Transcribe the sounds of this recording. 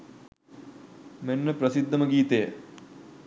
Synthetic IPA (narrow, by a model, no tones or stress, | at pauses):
menːəpɾəsid̪ːɐməɡiːt̪ejə